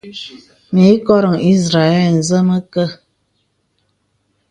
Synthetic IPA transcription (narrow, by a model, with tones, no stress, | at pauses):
mi˨˦kɔ˦ɾə˨ŋi˦sɾa˨ɛ˦˨ln̩˨zə˦mə˦kə˦˨